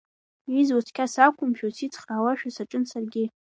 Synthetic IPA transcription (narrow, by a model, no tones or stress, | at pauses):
izwat͡sʰkʲʰasakʷʰʼʊmpʰosit͡sʰʼχraːwaʃᶣasaʈ͡ʂʼɨnsarɡʲɪ